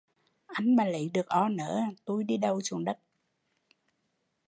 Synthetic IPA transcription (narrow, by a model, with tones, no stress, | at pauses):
ʔa˧jŋ̟maː˨˩lə̰˧˨˦jɗɨ˨˩ək̚ʔɔ˧nə̰ː˧˥t̪u˧jɗi˧ɗə˨˩wt͡ɕu˨˩ənɗə˦˥t̚